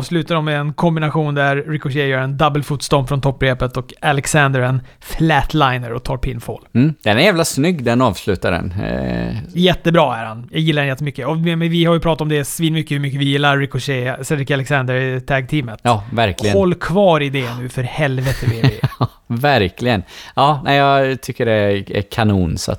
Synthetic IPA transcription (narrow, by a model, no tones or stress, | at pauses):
vslʉːt̪ad̪ɔmːɛɛnkʰɔmbɪnaɧuːnd̪æɾːɪkʊʂejœːɾɛnd̪ɑbəlfuːt̪st̪ɔmfɾɔnt̪ʰɔpːbɾeːpət̪ɔkalɛksɛnd̪əɾɛn | flæt̪ʰlajnəɾɔt̪ʰɑːɾpʰɪnfo̰ːlm̩ːd̪̥ɛnæɾjæːvlasnʏɡːd̪ɛnɑːvslʉ̟ːt̪adɛ̰n | jɛt̪ːəbɾɑːæɾhanjɑːɡjɪlːaɾɛnjɛt̪ːəmʏkːəɔmɛvɪhaɾjɵpʰɾɑːt̪at̪ɔmd̪ɛsviːnmʏkːəhʉɾmʏkːəvɪjɪlːaɾːɪkʊʂɛsɛd̪ɾɪkalɛksand̪əɾt̪ʰɛɡ̚t̪ʰiːmət̪jɑːvæɾklɪɡəhɔlːkʰvɑːɾɪd̪ɛnʉ̟ːfœɾhɛlvət̪əvɪ | væɾkʰlɪɡənɑːnæjɑt̪ʰʏkːəɖɛæ̰kʰanuːnsa̰t̪